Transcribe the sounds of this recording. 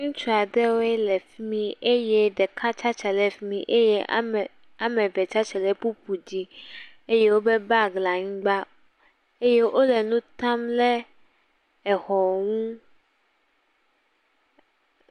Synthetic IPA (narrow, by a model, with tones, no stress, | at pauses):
ŋũ˦t͡ʃu˦a˨dɛ˦wo˦ɛ˦lɛ˨fi˦mĩ˦ʔe˦je˦ɖɛ˨kʰa˦t͡ʃa˦t͡ʃɛ˨le˨fi˦mḭ̃˨ʔe˦jɛ˦˨ | a˦mɛ̃˨vɛ˨t͡ʃa˦t͡ʃɛ˨lɛ˦pu˦pʰu˨d͡ʑi˦ | e˦je˦wo˦be˦ba˦ɡla˨ŋ̩̃˦ɡ͡ba˦ | e˦je˦ʔo˦lɛ˨nũ˦t̪ã˦mlɛ˦ | ɛ˨xɔ˨ŋũ˦